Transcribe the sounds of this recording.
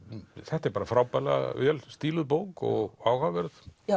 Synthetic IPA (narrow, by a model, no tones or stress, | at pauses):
θɛht̪ɛɾpaːɾafɾaːwpala̰vɛlst̪iːlʏðp̬owkɔ̰ɣaːwhavɛɾð